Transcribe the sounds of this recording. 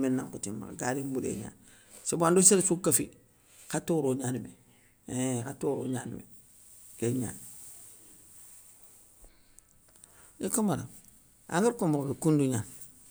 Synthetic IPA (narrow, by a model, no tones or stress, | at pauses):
menːaŋkutimːa̰kɡaɾibuɾḛɲa̰ːn | sebandoseɾsukafi | katoɾoɲanime | ekatoɾo̰ɲaːnḭmḛ | keɲa̰n | ekamaɾa̰ | a̰ŋɡaɾkomokbekunduɲan